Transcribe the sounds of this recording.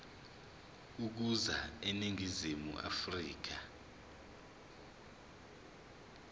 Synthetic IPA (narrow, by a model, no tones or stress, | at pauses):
k̬uk̬uzaeniŋʱizimṵʔa̰friːk̬a